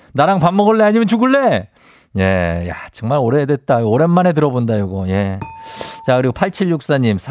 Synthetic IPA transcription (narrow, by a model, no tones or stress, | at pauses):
naɾaŋpamːʌɡɯɭːeaɲimjʌnt͡ɕuɡɯɭːe̞ | je̞ja̰t͡ɕʌŋmaɾoɾedwe̞t̚t͈aoɡoɾe̞nːane̞t̬ɯɾʌbondajoɡoje̞ | t͡ɕakɯɾiɡopʰaɭt͡ɕʰiɭjuk̚s͈aɲimsʰ